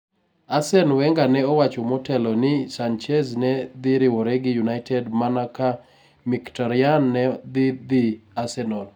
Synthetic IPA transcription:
asɛnwɛŋɡanɛɔwat͡ʃomɔtɛlɔnɪsant͡ʃɛznɛd̪ɪɾɪwɔɾɛɡɪjunaɪtɛdmanaka | miktaɾɪanːɛd̪ɪd̪ɪasɛnɔl

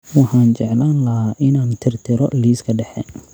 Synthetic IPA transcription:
wɑħaːnt͡ʃɛʕlaːnlɐɦaːʔɪnaːnt̪ʰɪrt̪ʰɪɾɔliːskʰɐɖɛħɛ̰ːn

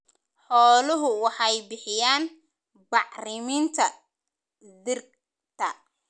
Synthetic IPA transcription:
ħɔːlʊɦʊwɑħɑjbɪħɪjaːn | bɑʕrɪmɪnt̪ʰɐ | ðɪr | t̪ʰɐ

